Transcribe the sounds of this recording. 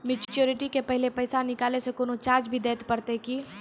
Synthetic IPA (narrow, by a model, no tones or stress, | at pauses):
mɪt͡ʃt͡ʃoːɾɪʈikepəɦɪlepɐjsanɪkaːlesekoːnot͡ʃaːɾd͡ʒbʱid̪eːt̪pəɾt̪eki